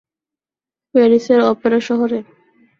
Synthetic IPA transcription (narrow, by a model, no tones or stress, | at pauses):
peɾiseɾɔpeɾaʃɔɦoɾe